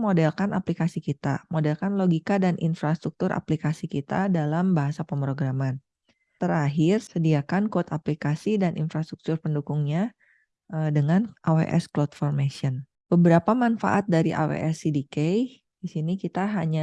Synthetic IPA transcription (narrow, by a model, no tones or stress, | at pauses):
modɛlkanʔa̰plikasikit̪a̰modɛlkanloɡikadanʔḭnfɾast̪ɾuk̚t̪ʊɾʔa̰plikasikit̪a̰dalambaɦasapəmpɾoɡɾaman | t̪əɾaɦɪrsədiakankot̪aplikasidanʔḭnfɾast̪ɾuk̚t̪ʊrpəndukʊŋɲa | ədəŋanʔawḛʔɛ̰sklot̪fɔrmesiɔn | b̥əbəɾapamanfa̰ʔat̪̚daɾiʔa̰wḛʔɛsidikej | disinikit̪aɦaɲa